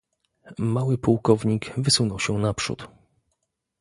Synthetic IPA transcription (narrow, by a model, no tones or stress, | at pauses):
mawɘpuwkɔvɲikvɘsunɔwɕɛnapʂṵt̪